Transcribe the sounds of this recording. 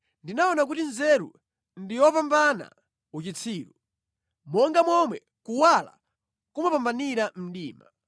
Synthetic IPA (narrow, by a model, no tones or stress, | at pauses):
ndinaɔnak̬utinzɛɾṵ | ndijɔpambana̰ | ut͡ʃit͡sʰiːɾu | mɔŋɡamɔmwɛ | kuwala̰ | kumapambaniɾam̩ɗiːma̰